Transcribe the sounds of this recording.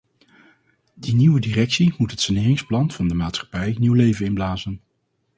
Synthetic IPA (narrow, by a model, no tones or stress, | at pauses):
diniwədirɛksimutɦətsanɪːrɪŋsplɑnv̥ɑndəmaːtsχɑ̥pɛjniwlejvənɪnblaːzən